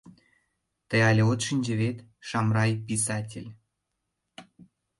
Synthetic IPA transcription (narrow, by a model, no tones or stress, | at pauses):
t̪əjɑlʲeot̪ʃinʲd͡ʑə̆βet̪ʃɑmrɑjpʲisɑtʲelʲ